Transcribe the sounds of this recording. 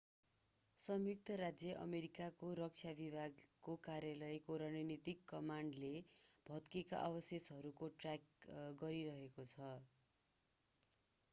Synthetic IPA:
sʌmjuk̚t̪ʰʌɾad͡zjʌʔʌ̰meɾikakoɾʌk̚t͡sʰjabibʱaɡkːokaɾjalʌjkoɾʌnʌnit̪ikːʌmaɳɖleb̥ʱʌt̪keka̰ʔʌbʌsesʌɾukoʈrakɡʌɾiɾʌɦekot͡sʰʌ

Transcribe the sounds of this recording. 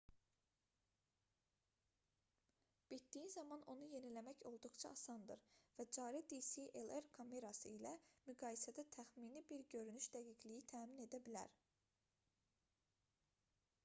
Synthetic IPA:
b̥it̪̚d̪ijizɑmɑno̞nuje̞nilæmæço̞lˠd̪uχt͡ʃʰɑɑsɑnd̪ɯɾvæd͡ʒɑːɾid̪isiʔeleɾkʰomeɾɑsɯ̰ilæmyɡɑːjisæd̪æt̪ʰæxminibiɾɟø̞ɾynyʃd̪æɡiɟlijit̪ʰæːmine̞d̪æbilæ̰ɾ

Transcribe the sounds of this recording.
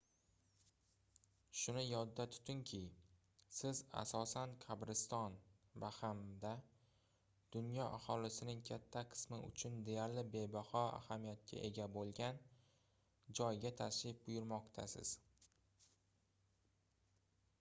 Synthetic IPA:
ʃʊnɪjɒd̪ːat̪ʰʊ̥t̪ʰɪŋkʲʰɪ | sɪza̰sɒsankʲʰabɾɪst̪ɒnvahamd̪a | d̪̥ʊnjɒʔahɒlɪsɪnɪŋkʲʰat̪ʰːaqʰɨ̥smɪʔʊ̰t͡ʃʰʊnd̪e̞jaɾlɪbe̞bahɒa̰hamijat̪̚kʲʰa̰ʔe̞ɡʲabolˠɡʲan | d͡ʒɒjɡʲat̪ʰaʃɪp̚bʊjʊɾmɒqt̪ʰa̰sɪ̰z̥

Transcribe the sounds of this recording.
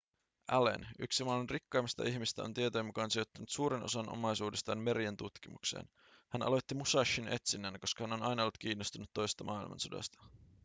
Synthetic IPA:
ʔælḛnyksimɑmenrikːɑːmist̪ɑ̰ʔiçmist̪æ̰o̞nt̪iet̪ojɑmukɑːnsiot̪ːɑnut̪suːɾeno̞̰sɑnʔo̞̰mɑjsuːde̞st̪ɑːnme̞ɾient̪ut̪kimuksḛːn | hænʔɑ̰lo̞jt̪ːimusɑʃːine̞̰t̪sinːæːnko̞skɑhæno̞nɑjnɑolt̪̚k̟iːnːost̪unːut̪ːo̞jsest̪ɑmɑilmɑ̰nsodɑ̰st̪ɑ̥

